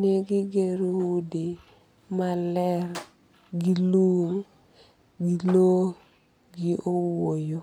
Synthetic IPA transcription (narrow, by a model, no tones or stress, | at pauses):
neɡɪɡeɾwudi | malɛr | ɡiluŋ | ɡilo | ɡɪʔowojo